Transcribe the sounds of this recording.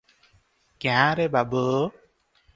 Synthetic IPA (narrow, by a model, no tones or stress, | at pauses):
kãɾɛbabə